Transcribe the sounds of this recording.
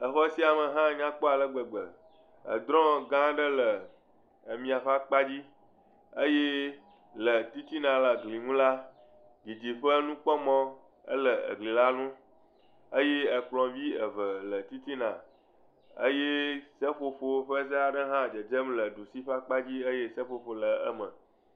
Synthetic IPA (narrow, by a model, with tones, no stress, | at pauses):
ə˨xɔ˦si˦a˨mə˨ɦã˦ɲã˦k͡pɔ˦a˨lə˦ɡ͡bə˨ɡ͡bə˨ | ə̰˨d̪ɾɔ̃˦ɡã˦ɖə˦lə˨ | ə˨mĩ˨a˨ɸa˦k͡pa˦d͡ʑi˦ | ə˦je˦ | lə˨t̪i˦t̪i˦nã˨la˨ɡli˨ŋũ˦la˦ | ɡi˨d͡ʑi˨ɸə˦nũ˦k͡pɔ˦mɔ̃˦ | ə̰˦lə˨ə̰˨ɡli˨la˦nũ˦ | ə˦je˦ə˨k͡plɔ̃˨vi˦ə˨və˨lə˨t̪i˦t̪i˦nã˨ | ə̰˦je˦sə˦ɸo˨ɸo˦ɸə˦zə˦a˨ɖə˦ɦã˦d͡ʒə˨d͡ʒə˦mlə˨ɖu˨si˦ɸa˦k͡pa˦d͡ʑi˦ə˦je˦sə˦ɸo˨ɸo˨lə˨ə˦mə̃˨